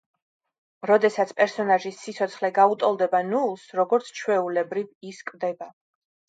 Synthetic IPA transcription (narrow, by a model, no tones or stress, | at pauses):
ɾɔd̪ɛsat̪sʰpʼɛɾsɔnaʒisːit̪sʰɔt̪sʰχlɛɡaut̪ʼɔlˠd̪ɛbanulˠsɾɔɡɔɾt̪sʰt͡ʃʰwɛulɛbɾiviskʼvd̪ɛba